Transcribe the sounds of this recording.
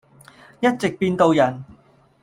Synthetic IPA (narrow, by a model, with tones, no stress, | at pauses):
jɐ˥t̚t͡sɪ˨k̚piː˧nt̪o˧wjɐ˨˩n